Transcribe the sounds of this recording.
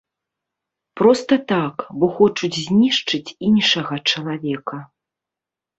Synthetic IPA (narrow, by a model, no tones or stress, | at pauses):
pɾɔst̪ɐt̪akbɔxɔt͡ʂud͡zʲzʲnʲiʂt͡ʂɨt͡sʲinʂɐɣɐt͡ʂɐlˠavʲɛkɐ